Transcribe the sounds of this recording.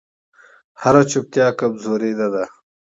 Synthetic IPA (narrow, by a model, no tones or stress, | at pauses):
haɾat͡ʃup̚t̪jaːkɐmzoːɾed̪ad̪a